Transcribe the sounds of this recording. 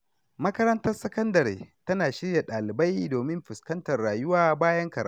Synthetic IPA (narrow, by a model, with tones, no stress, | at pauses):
mɐ˦kɐ˦ɾɐ˦ntɐ˦rsɐ˦kɐ˦ndɐ˨ɾḛː˨tɐ˦naː˨ʃɪ˦rja˨ɗaː˨lɪ˨ba˦jdoː˨mɪ˦mɸɪ˨skɐ˦ntɐ˨rːaː˨jʊ˦waː˦baː˦jɐ˦ŋkɐ˨ɾa̰˦